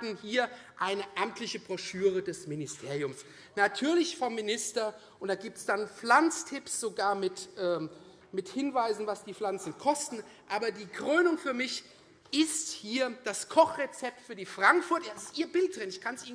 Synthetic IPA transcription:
n̩hiːɐ | ʔaɪnəʔamtlɪçəbʁɔʃyːʁədɛsmɪnɪstʰeːɐʁijʊms | natʰyːɐlɪçfɔmːinɪstɐ | ʔʊntd̥aːɡiːp̚tsd̥anp͡flant͡stʰɪpsz̥oɡaːɐmɪtʔɛː | mɪthɪnvaɪzn̩vasd̥iːflant͡sn̩kʰɔstn̩ | ʔaːbɐdiːkʁ̥øːnʊŋfyːɐmɪç | ɪsthiːɐd̥askʰɔχʁet͡sɛp̚tfyːɐdiːfʁ̥aŋkfʊɐtjadsɪ̥stiːɐbɪlt̚d̥ʁɪnɪçkʰansʔi

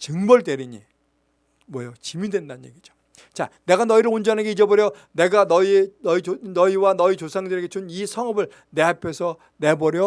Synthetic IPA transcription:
t͡ɕɯŋbʌɭde̞ɾiɲi | mwʌjot͡ɕimidwendanɯɲje̞ɡid͡ʑo̥ | t͡ɕane̞ɡanʌiɾɯɭond͡ʑʌnanɡeid͡ʑʌboɾjʌ | ne̞ɡanʌinʌinʌiwanʌit͡ɕosʰaŋdɯɾeɡet͡ɕʰunisʰʌŋʌbɯɭ | ne̞ɦapʰe̞sʰʌ | ne̞bʌɾjʌ

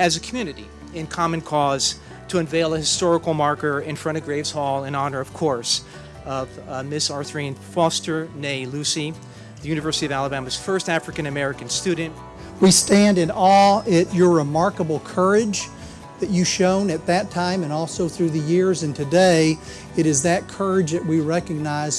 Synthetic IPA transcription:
ɨzɨkʰmjʉnɨɾḭ | ɨ̃nkʰɑmɨ̃nkʰɔz̥ | tʰɨɨ̃ɱveɪlˠɨhɨstɔɹɨkl̩ˠmɑɹkə˞ɪ̃nfɹʌ̃ɾ̃ʌvɡɹeɪvz̥hɔlˠɨ̃nɑnə˞ʌv̥kʰɔɹs | ʌvmɪsɑɹθɹĩnfɔstə˞neɪlʉsi | ðɨjʉñɨvɜ˞sɨɾiʌvælˠəbæmɨz̥fɜ˞stæfɹɨkɨ̃nɨmɛɹɨkɨ̃n̩stʉdⁿn̩t | wistæ̃ndɨ̃nɔlˠɨt͡ʃə˞ɹɨmɑɹkəbl̩ˠkʰɜ˞ɪd͡ʒ | ðɨt͡ʃɨʃõʊ̃nɨt̪̚ðɨtʰãɪ̃mɨ̃nɔlˠsoʊθɹʉðɨjɪɹzɨ̃ntʰɨdeɪ | ɨɾɨzðɨt̚kʰɜ˞ɪd͡ʒðɨʔ̚wiɹɛkɨɡ̚naɪz̥

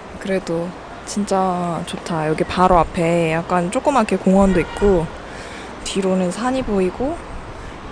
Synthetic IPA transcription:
kɯɾe̞do | t͡ɕint͡ɕ͈at͡ɕotʰajʌɡipaɾoapʰe̞jak̚k͈ant͡ɕ͈ok͈ɯmakʰekoŋʌndoik̚k͈o | tiɾonɯnsʰaɲiboiɡo

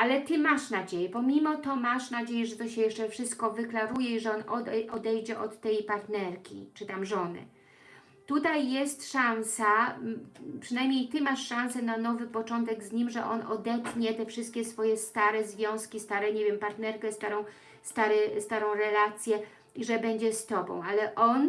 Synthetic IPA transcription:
ʔalɛt̪ɘmaʂnad͡ʑejɛpɔmʲimɔt̪ɔmaʂnad͡ʑejɛʐɛt̪ɔɕɛjɛʂt͡ʂɛfʂɘst̪̚kɔvɘklaɾujɛiʐɛɔnɔd̪ɛʔɔd̪ɛjd͡ʑɛʔɔt̪ːɛjpaɾt̪nɛɾkʲḭt͡ʂɘt̪amʐɔnɘ̰ | t̪ut̪ajːɛst̪ʂansa | pʂɘnajmɲejt̪ɘmaʂːãnsɛnanɔvɘpɔt͡ʂɔnt̪ɛɡzɲimʐɛʔɔnɔd̪ɛpɲɛt̪ɛfʂɘst̪̚kʲɛsfɔjɛst̪aɾɛzvʲjɔ̃w̃skʲist̪aɾɛɲevʲjɛmpaɾt̪nɛɾkɛst̪aɾɔ̃w̃ | st̪aɾɛst̪aɾɔ̃w̃ɾɛlat̪sʲjɛ | iʐɛbɛɲd͡ʑɛst̪ɔbɔ̰̃w̃alɛʔɔn

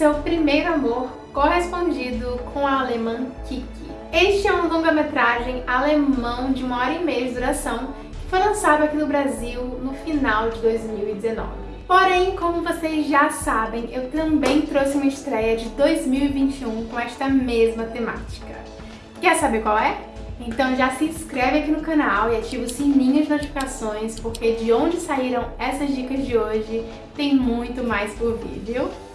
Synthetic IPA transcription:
sewpɾimejɾʊamoɾ | kohespõd͡ʒid̪ʊkʰõw̃ɐalemɐ̃kikɪ̰ | eʃst͡ʃɪɛũlõŋɡɐmet̪ɾaʒẽj̃alemɐ̃w̃d͡ʒɪũmɐɔɾɐimejɐd͡ʒɪd̪oɾasɐ̃w̃ | kkɪ̥fojlɐ̃sad̪ʊakinʊbɾaziwnʊfinawd͡ʒɪd̪ojzmiwid͡ʒ̪ɪzenɔ̰vɪpoɾẽj̃kõmʊvosezʒasabẽj̃ʔewt̪ɐ̃mbẽj̃t̪ɾosɪũmɐɪst̪ɾɛjɐd͡ʒɪd̪ojzmiwivĩt͡ʃɪũkõɛst̪ɐmezmɐt̪ema̰t͡ʃi̥kɐ̰ | kɛɾʊsabeɾkwawɛ | ẽnt̪ɐ̃w̃ʒasɪĩskɾɛvɪakinʊkãnawɪat͡ʃivʊsĩmĩɲɐzɪnot͡ʃifi̥kasõj̃spoɾked͡ʒɪõnd͡ʒɪsaiɾɐ̃w̃ɛsɐzd͡ʒikɐzd͡ʒɪoʒɪ | t̪ẽj̃mũj̃t̪ʊmajspʊɾvḭd̪eʊ

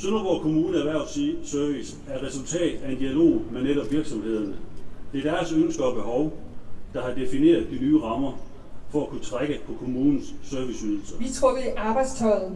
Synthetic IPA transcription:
sønɐb̥ɒkʰo̝muːnəæʋæɐ̰̥sisœɐʋis | æɐ̥ʁɛsult͡sʰɛ̰ːd̥æe̝nd̥iælo̝̰ːmeneɾɒ̽b̥ʋiɐɡ̥sɒ̽mhe̝ð̞̰ˠɐnəd̥e̝ɐd̥æɐsønsɡ̥ɐɒb̥e̝ɦɒʊd̥ɑ̈hɑ̈d̥e̝fine̝̰ːɐð̩ˠd̥inyːʁɑ̈mɐ | fɒ̽ækʰut͡sʰʁaɡ̥əpʰɒ̽kʰo̝muːnn̩sːœɐʋisyð̞ˠl̩sɐʋit͡sʰʁoɡeʔɑ̈ːb̥ɑ̈ɪd̥st͡sʰɒ̽ɪð̩

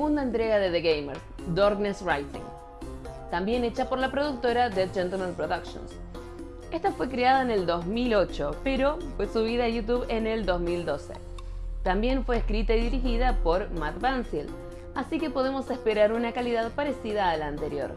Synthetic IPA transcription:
sɣund̪aent̪ɾe̞ɣaðeðeɣejmeɾ | d̪oɾɣnesrajt̪ḭŋ | t̪ambje̞ne̞t͡ʃapo̞ɾlapɾo̞ðuk̚t̪o̞ɾaðed͡ʒent̪elmãnpɾoðakʃjo̰ns | e̞st̪afwe̞kɾeaðaene̞ld̪o̞zmilo̞t͡ʃo̞pe̞ɾo̞fwesuβ̞iðaʝut̪uβe̞neld̪o̞zmild̪o̞sḛ | t̪ambje̞ɱfwe̞ːskɾit̪aiðiɾixiðapo̞ɾmat̪bansil | asike̞po̞ð̞e̞mo̞se̞spe̞ɾaɾunakaliðaðpaɾe̞siðaːlaːnt̪eɾjo̞̰ɾ

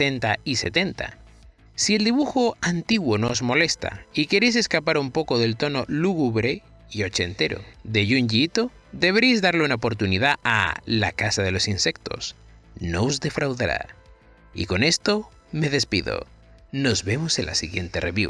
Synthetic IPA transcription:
ent̪aise̞̰t̪e̞nt̪a̰ | sield̪iβ̞uxo̞ant̪iɣwo̞noozmo̞le̞st̪a̰ike̞ɾejs̬e̞skapaɾumpo̞ko̞ðe̞lt̪o̞no̞luɣuβɾe̞ | io̞t͡ʃe̞nt̪e̞ɾo̞̰ðe̞ʝuɲʝit̪o̞ | ðe̞β̞eɾejzðaɾleunaopo̞ɾt̪uniðaa̰la̰kasaðe̞lo̞sinse̞k̚t̪o̞̰s | no̞ozðe̞fɾawðaɾa̰ | ḭko̞ne̞st̪o̞ | me̞ðe̞spiðo̞̰ | no̞zβe̞moselʔa̰siɣje̞nt̪e̞re̞βjḭ

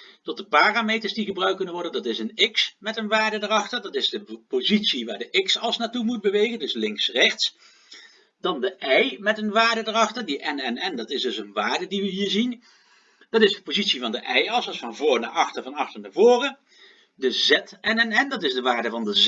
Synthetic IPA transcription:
tɔt̚dəpaːraːmejtəɹsdiχəbrœɥk̚ɵnənʋɔɹdəndɑtɪsənɪksmɛtənʋaːɹdədərɑχtəɹdɑtɪzdəpozitsiʋaːɹdəʔɪksɑlˠsnaːtumut̚bəʋejɣəndɵslɪŋksrɛχts | d̥ɑndəʔɛjmɛtənʋaːɹdədərɑχtəɹdiʔɛnɛnɛndɑtɪsdɵsənʋaːɹdədiʋəɦiːɹzin | d̥ɑtɪsdəpozitsivɑndəʔɛjɑsəsfɑnvʊːɹna̰ːʔɑχtəɹvɑnɑχtəɹnavʊːrə | dəzɛtɛnɛnɛndɑtɪzdəʋaːɹdəvɑndə

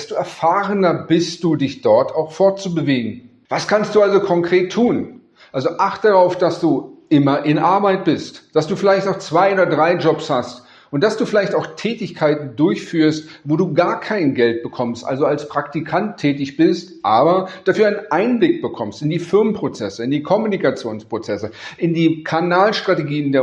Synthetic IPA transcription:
std̥uːɛɐfaːʁənɐbɪst̚d̥uːdɪçd̥ɔɐtaʊxfɔɐt͡subəveːɡŋ̩ | vaskʰanst̚d̥uːalzokʰɔŋkʁ̥eːtʰːuːn | ʔalzoʔaχtəd̥aʁaʊfd̥asd̥uːʔɪmɐʔɪnʔaɐbaɪt̚b̥ɪstd̥asd̥uːfɪlaɪçtnɔʊxt͡sv̥aɪoːdɐdʁaɪd͡ʒɔpshast | ʔʊnt̚d̥asd̥uːfɪlaɪçtaʊxtʰɛːtɪçkʰaɪtn̩dʊɐçfyːɐstvoːduːɡaːɐkʰaɪnɡɛlt̚b̥əkʰɔmstʔa̰lzoalspʁ̥aktikʰantʰːɛːtɪçb̥ɪstʔaːbɐd̥afyːɐaɪnənʔaɪnblɪk̚b̥əkʰɔmstɪndiːfɪɐmənpʁ̥ot͡sɛsəɪndiːkʰɔmunikat͡sjoːnspʁ̥ot͡sɛsəʔɪndiːkʰanaːlʃtʁ̥ateɡiːəndeːɐ

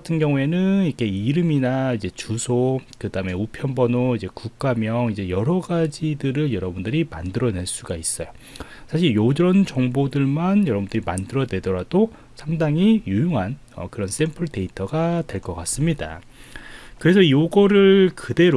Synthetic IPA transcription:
ɡatʰɯnɡjʌŋue̞nɯnikʰe̞iɾɯminaid͡ʑe̞t͡ɕusʰokɯdaɦɯme̞upʰjʌnbʌnoid͡ʑe̞kuk̚k͈amjʌŋid͡ʑe̞jʌɾʌɡad͡ʑidɯɾɯɭjʌɾʌbundɯɾima̰ndɯɾʌne̞ɭs͈uɡais͈ʌjo | sʰaɕ̬ʰiɭjod͡ʑʌnd͡ʑʌŋbodɯɭmanjʌɾʌbundɯɾima̰ndɯɾʌnwe̞dʌɾad̥o | sʰamŋdaŋijujuŋɦan | ʌ̰kɯɾʌns͈e̞mpʰɯɭde̞itʰʌɡadwe̞ɭk͈ʌk͈as͈ɯmɲida̰ | kɯɾe̞sʰʌijoɡʌɾɯɭkɯde̞ɾ

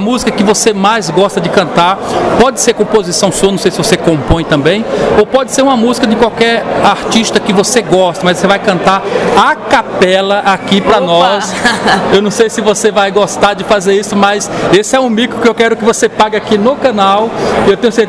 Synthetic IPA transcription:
ɐmuzikɐkɪvosemajzɡɔst̪ɐd͡ʒɪkɐ̃nt̪aɾpɔd͡ʒɪseɾkõpozisɐ̃w̃suɐnɐ̃w̃sejsɪvosekõmpõj̃t̪ɐ̃mbẽj̃opɔd͡ʒɪseɾũmɐmuzikɐdɪkwawkɛɾaɾt͡ʃiʃt̪ɐkɪvoseɡɔʃt̪ɐmɐzvosevajkɐ̃nt̪aɾakapɛlɐʔakipɾɐnɔsewnɐ̃w̃sejsɪvosevajɡost̪aɾd͡ʒɪfazeɾisʊmɐsesɪɛũmikɾʊkɪewkɛɾʊkɪvosepaɡɐakinokɐ̃nawɪewt̪ẽjʊ̃se

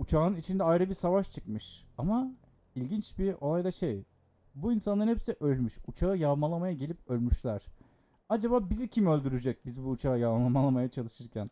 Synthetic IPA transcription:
ut͡ʃʰaːnɯnit͡ʃʰind̪ɛajɾɯbiɾsavaʃt͡ʃʰɯkmɯʃama | ilʲɟint͡ʃbio̞lˠajd̪aʃe̞j | buinsanˠaɾhɛpsiʔø̞lʲmyʃut͡ʃʰaɯjavmalˠamajaɟelʲip̚ø̞lʲmyʃlʲæɾ̥ | ad͡ʒabaːbizicʰimø̞lʲd̪yɾyd͡ʒɛc̚bizbuːt͡ʃʰaɯjavmlˠamalˠamajat͡ʃʰalˠɯʃɯɾcʰæn

